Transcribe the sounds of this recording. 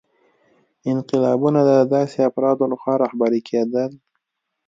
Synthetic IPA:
ɪnqɪlɑbunad̪əd̪ɑseafɾɑd̪olaxwɑɾɑhbaɾikʰed̪əl

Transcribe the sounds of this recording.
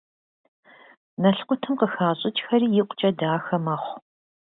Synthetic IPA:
nɐɬqʷʊtʰɨmqəxaːɕʼɪt͡ʃʼxɐɾiːjɪqʷt͡ʃʼɐdaːxɐmɐχʷ

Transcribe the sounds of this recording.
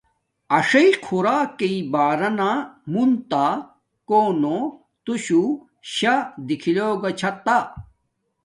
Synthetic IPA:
ɐʂɐikʰuɾaːkeibaːɾɐnamunt̪a | koːno | t̪uɕu | ɕad̪ikʰiloːɡɐt͡ɕʰɐt̪a

